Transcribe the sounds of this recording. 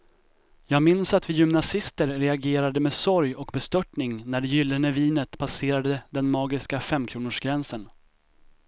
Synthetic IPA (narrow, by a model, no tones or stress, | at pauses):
jɑːɡmɪnsat̪vɪjʏmnasɪst̪əɾːɛaɡeːɾad̪əmeːsɔɾjɔkbɛst̪œʈɳɪŋnæɖɛjʏlːənəviːnət̪pʰaseːɾad̪əd̪ɛnmɑːɡɪskafɛmːkʰɾuːnʊʂɡɾɛnsən